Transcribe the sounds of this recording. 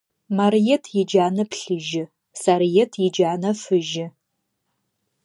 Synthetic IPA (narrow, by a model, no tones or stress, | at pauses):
marjetʰjɪd͡ʒaːnɨpʰɬɨʒɪ | sarjetʰjɪd͡ʒaːnɐfɨʒɪ